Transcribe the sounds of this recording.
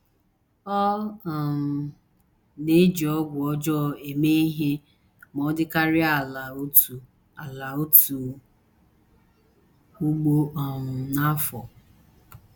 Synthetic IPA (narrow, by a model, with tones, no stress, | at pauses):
ɔ˦˨ | ne˦d͡ʒi˨ɔ˦ɡʷɔ˦d͡ʒɔ˦˨e˨me˦i˦ɦe˦ | mɔ˨˦dɪ˦ka˦ɾɪ˦a˨la˨o˦tu˨ | a˨la˨o˦tu˨ | u˦ɡ͡bo˦ɔ˨ŋʊ˨na˦fɔ˨